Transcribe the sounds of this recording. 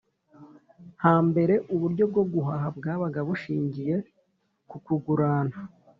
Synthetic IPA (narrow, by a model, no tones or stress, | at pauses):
haːmbe̞ɾe̞ʔuβuɾɟo̞b̚ɡo̞b̚ɡuɦaɦab̚ɡaːβaɡaβuʃiːɲɟije̞ | kukuɡuɾaːna